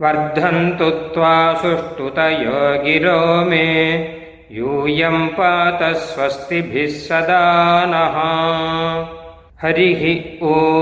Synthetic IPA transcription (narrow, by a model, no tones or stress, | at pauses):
ʋɐɾd̪ʱːɐnt̪ut̪ʋaːsuʂʈut̪ɐjɐːɡiɾoːme | juːjɐmpɐt̪ɐsʋɐst̪ibʱisːɐd̪aːnɐɦɐ | hɐɾiɦio